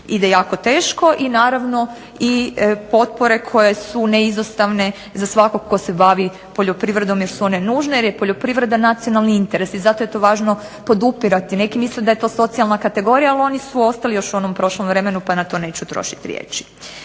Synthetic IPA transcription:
id̪ejaːko̞t̪e̞ːʃko̞ʔinaːɾaʋno̞ | ipo̞t̪̚po̞ɾe̞kʰo̞je̞suneizost̪aʋne̞ | zasʋako̞ɡko̞sebaʋi | po̞ʎo̞pɾiʋɾe̞d̪o̞mjeɾsuo̞ne̞nuːʒnejeɾjepoʎo̞pɾiʋɾe̞d̪anat̪sijo̞nalˠniint̪e̞ɾe̞sizat̪o̞je̞t̪o̞ːʋaːʒno̞ | po̞d̪upiɾat̪ine̞kimisled̪ajet̪o̞ːso̞t̪ijalˠnakat̪e̞ɡo̞ɾijaalo̞nisuo̞st̪alijo̞ʃuo̞nompɾo̞ʃlˠomʋɾe̞me̞nupanat̪o̞ne̞ːt͡ɕut̪ɾo̰ʃi̥t̪iɾjḛːt͡ʃi̥

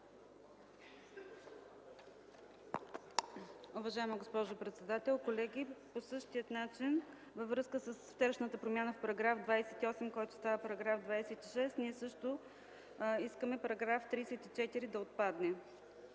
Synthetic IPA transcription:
uvɐʒaɛməɡospɔʒʊpɾɛt̪sɛd̪at̪ɛlˠkolɛɡʲiposɤʃt̪ijət̪nat͡ʃin | vəvɾɤskəsəsft̪ɛɾʃnət̪əpɾomjanəfpɐɾɐɡɾafd̪vajsɛt̪iɔsɛmkɔjt̪ʊ̥st̪avəpɐɾɐɡɾafd̪vajsɛt̪iʃɛst̪niɛsɤʃt̪o | iskəmɛpɐɾɐɡɾaft̪ɾiːsɛt̪it͡ʃɛt̪iɾid̪ɐot̪̚pad̪nɛ

